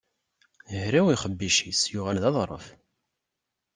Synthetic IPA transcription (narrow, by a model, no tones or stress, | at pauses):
əhɾæwiχəbːiʃisjʊʁælðɑðˤɾˤə̰f